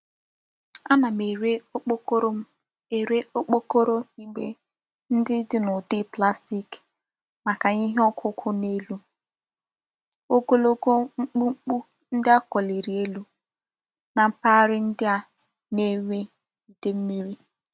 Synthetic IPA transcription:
a˦na˨me˨ɾe˦k͡p | e˨ɾe˦o˦k͡po˦ko˦ɾo˦i˦ɡ͡bḛ˦ | n̩˦dɪ˦dɪ˦nʊ˨de˦pla˦sti˦k | ma˨ka˨ɲi˦ɦe˦ɔ˦kʰʊ˦kʰʊ˦ne˦lu˦ | o˦ɡo˦lo˦ɡo˦ŋ͡m̩˦k͡pu˦ŋ͡m̩˦k͡pu˦ | n̩˦dɪ˦a˦kɔ˨li˨ɾi˨e˦lu˦ | na˨m̩˦pa˦ɾɪ˦n̩˦dɪ˦a˦ | ne˦we˦ | i˨de˦m̩˦mi˦ɾi˦

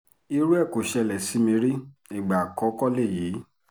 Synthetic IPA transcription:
i˧˦ɾu˦ɛ˦˨ko˨ʃɛ˧lɛ˨si˨˦mĩ˧ɾi˦i˨ɡ͡ba˨kɔ˨˦kɔ˦le˦˨jiː˨˦

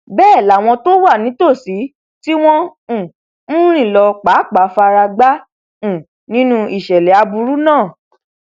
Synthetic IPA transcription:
bɛː˦˨la˨w̃ɔ̃˧to˦wa˦˨nĩ˨˦to˦˨si˨˦ | ti˦w̃ɔ̃˦˨˦ | ɾ̃ĩ˦˨lɔ˧k͡pa˨˦k͡pa˨˦fa˧ɾa˧ɡ͡bã˦˨ | nĩ˨˦nũ˧i˨ʃɛ˨lɛ˨a˧bu˧ɾu˦nãː˦˨

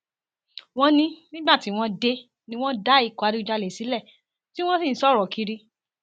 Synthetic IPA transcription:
w̃ɔ̃˧˦nĩ˧nĩ˦ɡ͡ba˦˨ti˨˦w̃ɔ̃˧de˧ | nĩ˧w̃ɔ̃˦da˦i˦˧˨ku˨a˨˧ɾi˦u˧d͡ʒa˧le˨si˨˦lɛ˦˨ | ti˦w̃ɔ̃˦sĩ˦˨n̩˨˦sɔ˦ɾɔ˨ki˧ɾi˧

